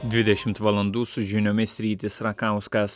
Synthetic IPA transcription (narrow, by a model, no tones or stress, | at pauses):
d̪ʲʋʲɪd̪ʲɛʃʲɪmt̪ʋɐlˠɐnd̪uːsʊʒʲɪnʲoːmʲɪsʲɾʲiːt̪ʲɪsɾɐkɑˑʊskɐs